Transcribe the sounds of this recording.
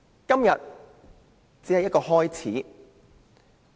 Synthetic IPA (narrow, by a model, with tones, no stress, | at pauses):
kɐ˥mjɐ˨t̚ | t͡siː˨˥hɐ˨jɐ˥kɔː˧ɦɔː˥jt͡sʰiː˨˥